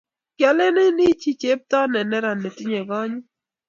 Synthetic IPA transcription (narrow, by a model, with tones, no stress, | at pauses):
kja˨le˦ne˦ni˦t͡ʃi˦˨t͡ʃe˦p̚ta˦nɛ˨nɛ˦ɾa˨nːe˨ti˦ɲe˨ɡɔ˦ɲu˦